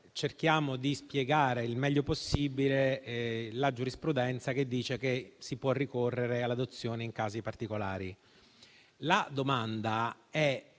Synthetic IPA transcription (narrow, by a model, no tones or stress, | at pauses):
t͡ʃerk̟jaːmod̪ispjeɡaːɾeilmɛʎːoposːibile | lad͡ʒuɾispɾud̪ɛnt̪sak̟ed̪ːiːt͡ʃekesipwɔrːikorːeɾealːad̪ot̪sːjoːneiŋkaːzipart̪ikola̰ːɾi | lad̪omand̪aɛ